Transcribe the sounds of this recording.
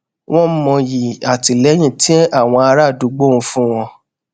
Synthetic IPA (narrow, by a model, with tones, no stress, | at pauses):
w̃ɔ̃˦m̩˦mɔ̃˧ji˨a˨ti˧˨lɛ˨˦j̃ĩ˦˨tĩ˦a˦˨w̃ɔ̃˧a˧ɾa˦˨du˨˦ɡ͡bo˦˨ũ˧fũ˦w̃ɔ̃˧